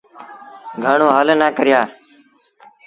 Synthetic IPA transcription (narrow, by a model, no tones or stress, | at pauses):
ɡʱəɳõːɦəlnaːkəɾɪjaː